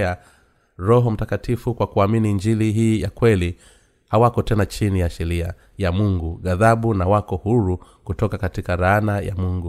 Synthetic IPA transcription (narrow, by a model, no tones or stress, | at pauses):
a | ɾɔɦɔm̩takatifukwakuaminind͡ʒiliɦiːjakwɛli | hawakɔtɛnat͡ʃinijaʃɛɾia | jamuŋɡuɠaðaɓunawakɔhuɾu | kutɔkakatikaɾaanaja̰muŋɡu